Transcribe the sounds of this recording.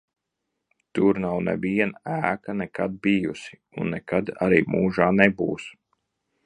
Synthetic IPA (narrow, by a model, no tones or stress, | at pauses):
t̪uɾnawnɛ̰viɛnæːkanɛkad̪̚bijusi̥ | unːɛkad̪a̰ɾiːmuːʒaːnɛbuːs